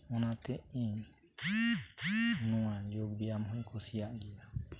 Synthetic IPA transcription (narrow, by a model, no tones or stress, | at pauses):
ɔnat̪ɛʔiɲ | nɔ̃wajɔɡ̚bijamɦɔ̃jkʰɔsijaʔɡija